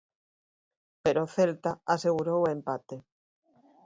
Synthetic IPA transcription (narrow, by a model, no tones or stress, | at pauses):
peɾoθelt̪aaseɣ̞uɾowempat̪e